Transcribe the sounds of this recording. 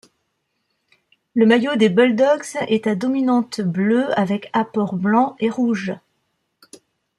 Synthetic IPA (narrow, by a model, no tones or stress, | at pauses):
ləmajod̪ebɔld̪ɔksɛt̪ad̪ɔminɑ̃t̪bløavɛkapɔʁblɑ̃eʁuʒ